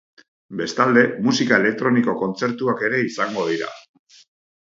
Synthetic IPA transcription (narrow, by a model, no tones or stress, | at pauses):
be̞st̪ald̪e̞musikae̞le̞k̚t̪ɾo̞niko̞ko̞nt͡se̞ɾt̪uake̞ɾe̞isaŋɡo̞ð̞iɾa̰